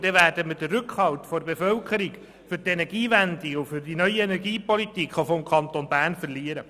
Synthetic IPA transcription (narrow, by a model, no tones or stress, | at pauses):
d̥̪ɛʋæːɾdəmədərɾkχhɑltfɔɾbefœlkʰəɾiɡ | fʏɾtenɛɾɡ̥iːʋænd̪iʊfʏrdinœʏienɛɾɡiːpɔlitikχofɔmkʰɑnt̪onbæːrnfərliːəɾə